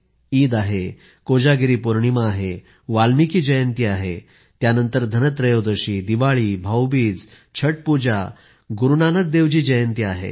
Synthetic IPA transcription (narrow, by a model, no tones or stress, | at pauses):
iːd̪aɦe | kod͡ʑaɡiɾiːpuɾɳimaːɦe | ʋalmikiːd͡ʑəjənt̪iːaɦe | t̪janənt̪əɾd̪ʱənət̪ɾəjod̪əɕiːd̪iʋaɭiːbʱawbiːd͡z | t͡ɕʰəʈ̚pud͡ʑa̰ | ɡuɾunanək̚d̪eʋd͡ʑiːd͡ʑəjənt̪iːaɦḛ